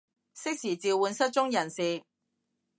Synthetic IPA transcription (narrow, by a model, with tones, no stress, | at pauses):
sɪ˥k̚siː˨˩t͡siː˨˧wwuː˨˧nsɐ˥t̚t͡ʃʊ˥ŋjɐ˨˩nsiː˨˩